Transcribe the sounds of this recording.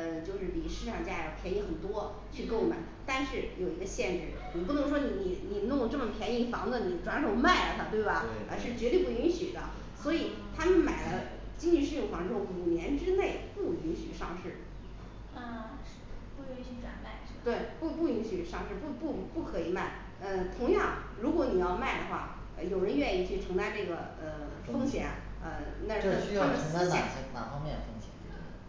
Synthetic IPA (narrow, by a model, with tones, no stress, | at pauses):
ə˧t͡ɕjo˥˧ʊʂɻ̩˥˩pi˨˩ʂɻ̩˥˩ʈ͡ʂʰɑ˨˩ŋt͡ɕja˥˩ə˧˩pʰjɛ˧˥ni˧˥xə˨˩nt̪wɔ˥ | t͡ɕʰy˥˧ko˥˧ma˧˥ɪnt̪a˥˧nʂɻ̩˥˩jo˨˩ʊi˧˥ɡə˧ɕjɛ˥˧nʈ͡ʂɻ̩˥˩ni˨˩pu˥˩nɤ˧˥ŋʂ̬wɔ˥ni˨˩ni˨˩ni˨˩n˧˥ŋjʈ͡ʂɤ˥˩mə˩pʰjɛ˧˥ni˧˥fɑ˧˥ŋd͡zə˧ni˨˩ʈ͡ʂwa˧˥nʂo˨˩˥ʊma˥˩ɪə˩t̪ʰa˧˩t̪we˥˩ɪbɐ˩ | ə˧ʂɻ̩˥˩t͡ɕɥɛ˧˥t̪we˥˧ɪpu˥˩i˧˥nɕy˨˩d̪ə̰˦ | swɔ˧˥i˨˩ | t̪ʰa˥mə˨nma˨˩ɪlə˦ | t͡ɕi˥ŋt͡ɕi˧˥ʂɻ̩˥˧˩jʊ˥˩ŋfwɑ˧˥ŋʈ͡ʂɻ̩˥xo˥˩u˨˩njɛ˧˥nʈ͡ʂɻ̩˥ne˥˩ɪpu˥˩i˧˥nɕy̰˨˩ʂɑ˥˧ŋʂɻ̩˥˩ | ə˥˧˥ | pu˥˧ki˥y˧˥˩ʈ͡ʂwa̰˨˩nma˥˩ɪ˥˩t̪we˥˩ɪpu˥˩pu˥˩i˧˥nɕy˨˩ʂɑ˥˧ŋʂɻ̩˥˧pu˥˩pu˥˩˧pu˥˩kʰɤ˧˥i˨˩ma˥˩ɪ | ə˧t̪ʰʊ˧˥ŋjɑ˥˩ŋɻu˧˥kwɔ˧˥ni˨˩jɑ˥˧ʊma˥˩ɪd̪ə˩xwa̰˥˩ | ə̰˧jo˨˩ʊɻə˧˥nɥɛ˥˧ni˥˧t͡ɕʰy˥˩ʈ͡ʂʰɤ˧˥ŋt͡sa˥˧ɪʈ͡ʂɤ˥˩ɡə̰˩ | ə˧ | ffɤ˥ŋɕjɛ̰˧˩˦nə̰˧na˥˩˧ʂ̩˥˩˥ɕy˥j̪ʰa˥m˩ə˨ə˧˥ə˥˧˥la˥˨˩ɕʰi˧˥na̰˨˩fɑ˥ŋmjɛ˥˩nd̪ə˩fɤ˥ŋɕjɛ̰˨˧˩nt̪we˥˧˩t̪e˥˩˥